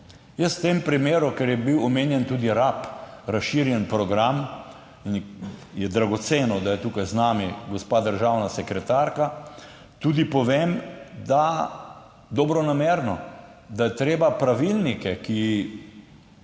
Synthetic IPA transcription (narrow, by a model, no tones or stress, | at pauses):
jəst̪eːmpɾimeːɾukɛɾjɛbiwɔmeːnjɛnt̪uːd̪iɾapɾasʃiɾjɛnpɾɔɡɾam | injɛd̪ɾaɡɔt̪seːnɔd̪ajɛt̪uːkajznaːmiɡɔspad̪əɾʒaːwnasɛkɾɛt̪aːɾka | t̪uːd̪ipɔʋemd̪a | d̪ɔbɾɔnameːɾnɔ | d̪ajɛt̪ɾeːbapɾaʋilnikɛki